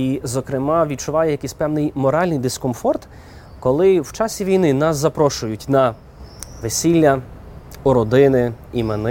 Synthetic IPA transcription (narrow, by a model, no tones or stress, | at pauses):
izɔkɾɪmɑʋʲid̪̚t͡ʃʊʋɑjɛjɐkɪsʲpɛwnɪjmɔɾɑlʲnɪjd̪ɪskɔmfɔrt̪ | kɔlˠɪwt͡ʃɑsʲiʋʲijnɪnɑszɐpɾɔʃʊjʊtʲnɐ | ʋesʲilʲːɐ | ʊɾɔd̪ɪnɪimenɪ